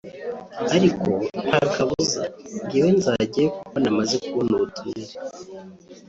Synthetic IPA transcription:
aɾiko̞haɾukaβuza̰ɡiwe̞nzaɟijekukonamaze̞kuβonuβutuiɾe

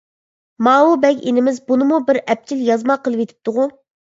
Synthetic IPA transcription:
mɑːwubɛkʲenɪmɪzbunɨmubɪɾɛp̚t͡ʃʰiljɑzmɑqəlˠɨpet̪ʰɪ̥p̚t̪ʊʁu

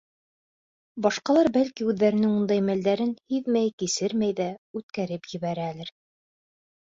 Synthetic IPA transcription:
bɑʃqɑlˠɑɾbælkiʉðːæɾɘ̆nɘŋund̪ɑjmæld̪æɾɘnhiðmæjkisɘɾmæjðæʉt̪kæɾɘpjɘ̆βæɾæːlæɾ

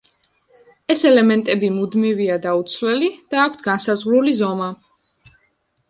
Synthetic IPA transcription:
ɛsɛlɛmɛnt̪ʼɛbimud̪miviad̪aut̪sʰvlɛlid̪̥aːkʷʰt̪ʰɡansazʁɾulizɔma

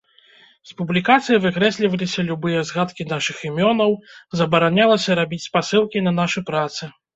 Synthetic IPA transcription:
spublʲikat̪sɨjɐvɨkɾɛsʲlʲivɐlʲisʲɐlʲubɨjɐzɣat̪kʲinaʂɨximʲɔnɐwzɐbɐɾanʲalˠɐsʲɐɾabʲit͡sʲspasɨlˠkʲinɐnaʂɨpɾat̪sɨ

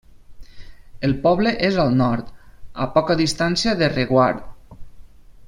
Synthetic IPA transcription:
elˠpɔβleʔezalˠnɔɾt̪a̰pɔkaðist̪ansiaðereɣwaɾð

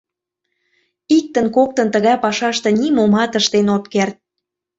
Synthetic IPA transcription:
ik̚t̪ənkok̚t̪ənt̪əɣɑjpɑʃɑʃt̪enimomɑt̪əʃt̪enot̪kert̪̚

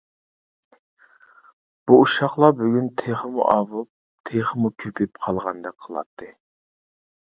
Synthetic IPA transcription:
b̥uuʃɑχlˠɑbyɡʲynt̪ʰeχəmṵʔɑvup̚ | t̪ʰeχəmukʲʰøpʰɪpqʰɑlˠʁɑnd̪ɛkqʰəlˠɑ̰t̪ʰːɨ

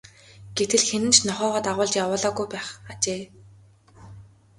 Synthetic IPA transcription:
ɡ̥et̪ɘ̆ɮxenɘ̆nt͡ɕnɔχœːʁɔːt̪aʁʊːɮt͡ɕjawʊːɮɔːɡujpæːχat͡ɕeː

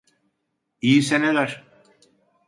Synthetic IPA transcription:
ijisened̪aɾ

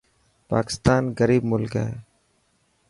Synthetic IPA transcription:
paːkɪ̥st̪aːnɣəɾiːb̚mʊlkɦɛ̰ː

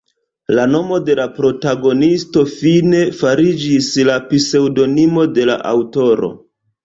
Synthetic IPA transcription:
lano̞mo̞de̞lapɾo̞taɡo̞nisto̞fine̞faɾid͡ʒislapise̞wdo̞nimo̞de̞la̰ʔa̰wto̞ɾo̞̰

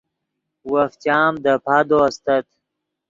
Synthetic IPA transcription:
waft̪jɑːmd̪əpʰad̪oast̪ət̪

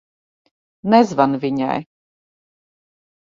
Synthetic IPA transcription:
nɛzvanvʲiɲa̰j

